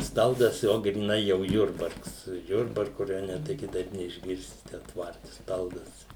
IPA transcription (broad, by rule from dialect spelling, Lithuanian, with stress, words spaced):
ˈstɐlˠdɐs ˈjoː ɡrʲiːˈnɐɪ jɛʊ ˈjʊrbɐrks ˈjʊrbɐrkʊ rɐˈjoːnʲɛ tɐɪ kʲɪˈtɐɪp nʲɛɪʒʲˈɡʲɪrʲsʲɪ ˈtʲɛn ˈtʋɐrʲtʲɪ ˈstɐlˠdɐs